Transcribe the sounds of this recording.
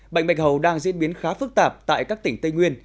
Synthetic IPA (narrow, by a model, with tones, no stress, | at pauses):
ɓa̰˧˨jŋ̟ɓa˨˩jk̚hɦə˨˩wɗaː˧ŋzḭ˧˥ənɓi˨˦ənxaː˨˦fɨ˦˥k̚t̪aː˨˩p̚t̪a̰ː˧˨jkaː˦˥k̚t̪ï˧˩ŋ̟t̪i˧jŋwi˧ən